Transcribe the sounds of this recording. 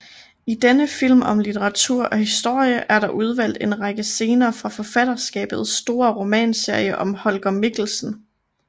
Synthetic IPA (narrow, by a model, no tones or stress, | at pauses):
id̥enəfil̰mɒ̽mlit͡sʰeʁɑ̈t͡sʰuɐ̰ʔɒ̽hisd̥o̝ɐ̰jəʔæɐɾɑ̈ʔuð̞ˠʋæl̰d̥e̝nʁɑ̈ɡ̥əse̝ːnɐːfʁɑ̈fɒ̽fæd̥ɐsɡ̥ɛ̰ːb̥ð̞̩ˠsːd̥o̝ːɐʁo̝mɛ̰ːnse̝ɐ̰jəʔɒ̽mhɒlɡ̥ɐmiɡ̥l̩sn̩